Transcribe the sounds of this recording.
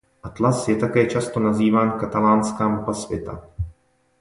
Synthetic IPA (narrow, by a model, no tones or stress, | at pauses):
ʔat̪lasjɛt̪akɛːt͡ʃast̪o̞naziːvaːnkat̪alaːnskaːmupasvjɛt̪a̰